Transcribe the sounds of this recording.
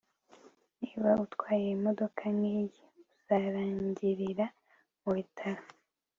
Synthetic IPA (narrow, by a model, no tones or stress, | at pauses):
niβautkwaːjeimodo̞kʰanijiuz̥aɾaːɲɲɟiɾiɾa | muβitʰaɾa